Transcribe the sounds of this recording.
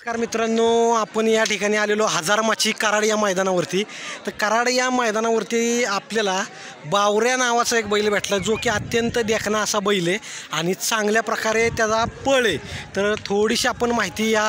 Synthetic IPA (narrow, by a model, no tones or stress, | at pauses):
kaɾmit̪ɾənoapəɳjaʈʰikaɽ̃ialeloɦəd͡zaɾmaɕiːkəɾaɽjaməjd̪anaʋəɾt̪iːt̪əɾkəɾaɽjaməjd̪anaʋəɾt̪iːapljala | bawɾjanaʋat͡səek̚bəjlebʱeʈʰləd͡zokeət̪jənt̪əd̪ekʰnaəsabəjleaɽ̃it͡sãŋɡljapɾəkaɾet̪jad͡zapəɭet̪əɾt̪ʰoɽiɕiapəɳmaɦit̪iːja